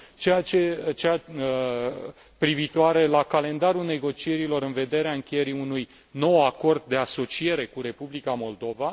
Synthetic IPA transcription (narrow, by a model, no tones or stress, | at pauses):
t͡ʃe̞jat͡ʃet͡ʃeja | pɾivit̪oaɾe̞lakale̞nd̪aɾulne̞ɡo̞t͡ʃie̞ɾilo̞ɾɨnve̞d̪e̞ɾeaɨŋkʲeje̞ɾiunuj | no̞wako̞rd̪̚ːe̞aso̞t͡ʃie̞ɾe̞kuɾe̞publikamo̞ld̪o̞va